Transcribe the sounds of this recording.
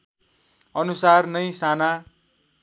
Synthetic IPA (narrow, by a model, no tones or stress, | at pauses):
ʌnusarnʌjsana